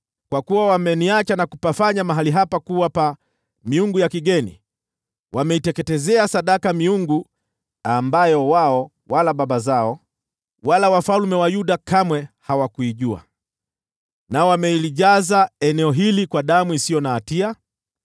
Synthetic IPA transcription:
kwakuwawamɛniat͡ʃanakupafaɲamaɦaliɦapakuwapa | miuŋɡujakiɠɛnḭ | wʔamɛitɛkɛtɛzɛasaɗakamiuŋɡu | ambajɔwaɔ | walaɓaɓazaɔ | walawafalmɛwajuɗakamwɛhawakuiʄua̰ | naɔwamɛiliʄazaɛnɛɔɦilikwaɗamuisijɔnaːtia

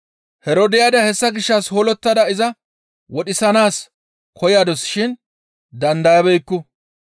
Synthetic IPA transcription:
hɛɾod̪ɪjaːd̪ɐhɛsːɐɡɪʃːɐshoːlɔt̪ːɐd̪ɐɪzɐ | wɔɗɪsɐnaːs | kʰɔjaːd̪ɔsʃɪn | d̪ɐnd̪ɐjɐbɛjkːʊ

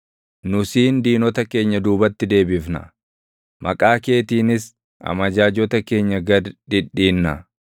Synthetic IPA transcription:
nʊsiːnd̪iːnɔt̪ɐke̞ːɲːɐd̪uːbɐt̪ːɪd̪e̞ːbɪfnɐ̰ | mʔɐkʼaːke̞ːt̪iːnɪs | ɐ̰mɐd͡ʒaːd͡ʒɔt̪ɐke̞ːɲːɐɡɐd̪ᶑɪᶑːiːnːɐ̰

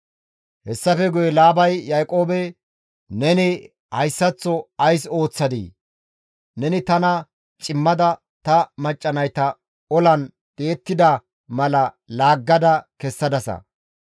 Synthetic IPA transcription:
hɛsːɐfɛɡʊjɛlaːbɐjːajkʼo̞ːbɛ | nɛnɪ | hɐjsːɐt͡sːɔɐjso̞ːt͡sːɐd̪ḭː | nɛnɪt̪ɐnɐ | t͡ʃʼɪmːɐd̪ɐ | t̪ɐmɐt͡ʃʼːɐnɐjt̪ɐ | ɔlɐn | t̪ʼeːt̪ːɪd̪ɐ | mɐlɐ | laːɡːɐd̪ɐkɛsːɐd̪ɐsɐ̰

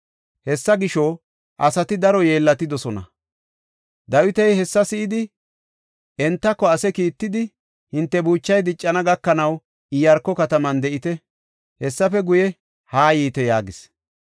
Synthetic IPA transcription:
hɛsːɐɡɪʃɔ | ʔɐsɐt̪ɪd̪ɐɾɔje̞ːlːɐt̪ɪd̪ɔsɔnɐ̰ | d̪ɐwɪt̪ɛjhɛsːɐsɪʔɪd̪ɪ | ʔɛnt̪ːɐkːɔɐsɛkiːt̪ːɪd̪ɪ | hɪnt̪ːɛbuːt͡ʃːɐjd̪ɪt͡ʃʼːɐnɐɡɐkːɐnɐw | ɪjɐɾkːɔkɐt̪ɐmɐnd̪ɛʔɪt̪ɛ | hɛsːɐfɛɡʊjɛ | haːjiːt̪ɛjaːɡɪs

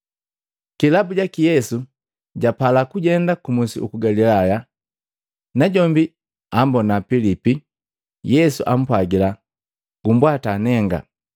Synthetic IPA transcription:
kilabuɟakijɛsu | ɟapalakuɟɛndakumusḭʔukuɡalilaja | naɟɔmbi | ambɔnapilipi | jɛsuʔam̩pwaɡila | ɡ̥umbwatanɛŋɡa̰

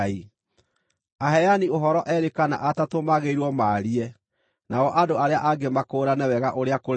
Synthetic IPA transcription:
i | aɦɛanioɦɔɾɔʔɛɾekana̰ʔatatomaɣeiɾwɔmaːɾiɛ | naɔʔadoaɾeaʔaɡemakoːɾanɛwɛɣaʔoɾeako

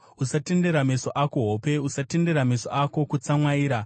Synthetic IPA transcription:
usate̞nde̞ɾame̞so̞ʔako̞ɦope̞usate̞nde̞ɾame̞so̞̰ʔako̞kut͡samwaiːɾa

